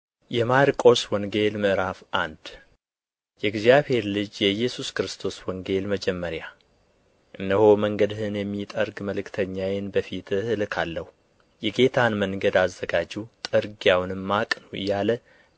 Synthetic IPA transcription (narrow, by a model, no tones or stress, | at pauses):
jɛmaɾkʼo̞swɔŋɡe̞lməʔɾafʔand̪̥ | jɛɡzjaβhe̞ɾlɨd͡ʒjɛjːɛsuskɾɨst̪ʰo̞swɔŋɡe̞lməd͡ʒɛmːəɾja | ʔɨnːəho̞məŋɡəd̪hɨnjɛmːit̪ʼəɾɡməlɨkt̪ʰəɲːawɪnbəfit̪ɨhɨlkʰalːəhu | jɛɡe̞t̪ʰanməŋɡəd̪azːəɡad͡ʒiwt̪ʼɨɾɡjawnɨmːakʼnuɨ̰jːalə